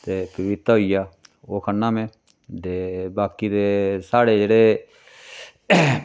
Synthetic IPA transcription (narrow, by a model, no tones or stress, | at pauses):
t̪eːpəʋɪt̪ɦoijaː | oːkʰənːãːmẽː | d̪eːbaːkiːd̪eːsaːɽeːd͡ʒeːɽeː